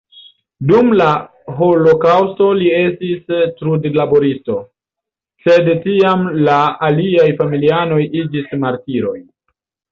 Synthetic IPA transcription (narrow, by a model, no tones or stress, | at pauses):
dumla | ɦo̞lo̞kawsto̞lie̞stistɾudlaboɾisto̞ | se̞dtiamlaːliajfamiliano̞jid͡ʒismaɾtiɾo̞̰j